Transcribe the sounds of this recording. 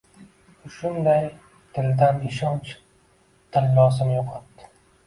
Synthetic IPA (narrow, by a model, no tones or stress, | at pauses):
ʊʃʊnd̪aj | t̪ʰɪld̪anɪʃɒnt͡ʃ | t̪ʰɪlːɒːzɪmjoqʰɑt̪d̪ɪ̥